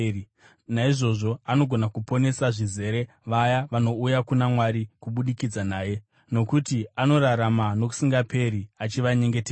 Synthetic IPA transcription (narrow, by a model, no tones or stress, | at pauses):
naiʐo̞ʐo̞ano̞ɡʱo̞nakupo̞ne̞saʐize̞ɾe̞ | ʋajaʋano̞ujakunamwaɾikuɓuɗikid͡zanaːje̞ | no̞kutiano̞ɾaɾamano̞k̬u̥siŋɡape̞ɾiat͡ʃiʋaɲe̞ŋɡe̞teː